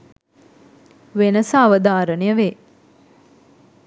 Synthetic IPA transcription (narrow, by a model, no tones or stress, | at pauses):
ʋenəsaːʋəd̪aːɾənejəʋeː